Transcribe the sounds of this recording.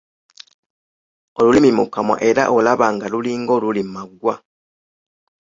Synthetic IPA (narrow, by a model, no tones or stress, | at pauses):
olulimimukamwa̰ʔe̞ɾa̰ʔolaβaːŋɡaluliːŋɡo̞lulimaɡwa